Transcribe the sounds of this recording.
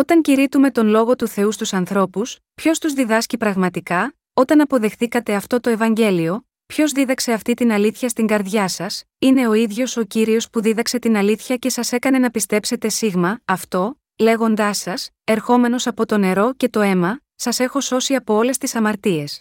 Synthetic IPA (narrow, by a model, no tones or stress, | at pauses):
o̞t̪ɐɲciɾit̪ume̞t̪o̞nlo̞ɣo̞t̪uθe̞ust̪usɐnθɾo̞pus | pço̞st̪uzðiðɐscipɾɐɣmɐt̪ikɐ | o̞t̪ɐnɐpo̞ðe̞xθikɐt̪e̞ɐft̪o̞t̪o̞e̞vɐɲɟe̞lio̞ | pço̞zðiðɐkse̞ɐft̪it̪inɐliθçɐst̪iŋɡɐɾðʝɐsɐs | ine̞o̞iðʝo̞so̞ciɾio̞spuðiðɐkse̞t̪inɐliθçɐce̞sɐse̞kɐne̞nɐpist̪e̞pse̞t̪e̞siɣmɐːft̪o̞ | le̞ɣo̞nd̪ɐsɐs | e̞ɾxo̞me̞no̞sɐpo̞t̪o̞ne̞ɾo̞ce̞t̪o̞e̞mɐ | sɐse̞xo̞so̞siɐpo̞o̞le̞st̪isɐmɐɾt̪ie̞s